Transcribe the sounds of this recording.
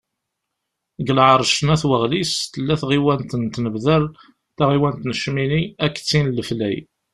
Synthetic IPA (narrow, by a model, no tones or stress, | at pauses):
ɡəlʕəɾˤʃnæθwəʁlist̪əlːæθʁiwænt̪ənt̪nəbðəl | θaʁiwænt̪nəʃminiækːt͡sːinləflæ̰j